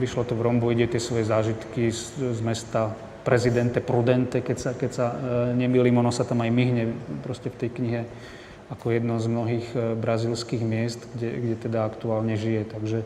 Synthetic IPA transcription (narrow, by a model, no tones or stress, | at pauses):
ʋiʃlɔt̪ɔvɾɔmbɔiɟɛɛt̪ɪɛsʋɔjɛzaːʒit̪kiszmɛst̪a | pɾɛzid̪ɛnt̪ɛpɾud̪ɛnt̪ɛkɛcsakɛcsaɲɛmilimɔnɔsat̪amajmiɦɲɛpɾɔscɛft̪ɛjkɲiɦɛ | akɔjɛd̪nɔzmnɔɦiːɣbɾazilskiːɣmɪɛst̪ɡɛɡɟɛt̪ɛd̪aakt̪uaːlɲɛʒijɛt̪aɡʒɛ